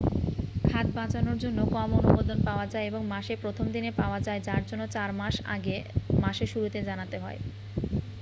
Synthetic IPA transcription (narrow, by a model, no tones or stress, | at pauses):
kʰat̪̚bat͡ɕanoɾd͡ʑonːokɔmonubod̪onpaoad͡ʑaeeboŋmaʃepɾot̪ʰomd̪inepaoad͡ʑaed͡ʑaɾd͡ʑonːot͡ɕaɾmaʃa̰ɡemaʃeʃuɾut̪ed͡ʑanat̪eɦɔe